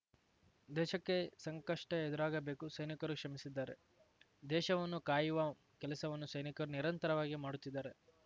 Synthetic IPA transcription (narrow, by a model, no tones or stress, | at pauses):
d̪ɛːʃɐkːe̞sɐŋkɐʂʈɐed̪uɾaːɡɐbe̞ːkusɐjnikɐɾukʂɐmisid̪ːaːɾe̞̰ | d̪ɛːʃɐʋɐnːukaːjuʋɐ | kɛlɐsɐʋɐnːusɐjnikɐɾuniɾɐnt̪ɐɾɐʋaːɡimaːɽut̪ːid̪ːaːɾe̞